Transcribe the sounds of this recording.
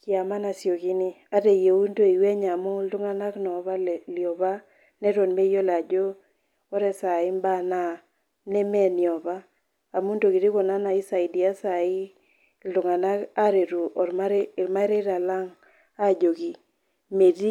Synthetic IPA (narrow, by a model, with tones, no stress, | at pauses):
kɪ˦a˨ma˦na˨sjo˨ki˦ni˦a˦ɾe˨je˨u˦ndo˦i˨wɛ˦ɲa˨mɔ˦ltʊ˦ŋa˦na˦knɔ˨βa˦˨ljɔ˨βa˦ | nɛ˦ɾo˨nme˦jo˦la˨d͡ʒo˦ | ɔ˦ɾɛ˦sa˨ɪ˦mba˦˨na˦˨ | nɛ˦mɛ˦ni˨ɔ˨baː˦˨ | mu˦ndo˨ki˨ɾi˦kɔ˨na˦na˨i˦sa˨i˨di˨a˦sa˨ɪ˦ | ltʊ˨ŋa˨na˦ka˦ɾe˨ɾu˨ɔ˨ɾma˦ɾɾma˦ɾe˦ɾa˨la˦ŋ | a˦˨d͡ʒo˨ki˨ | me˨di˦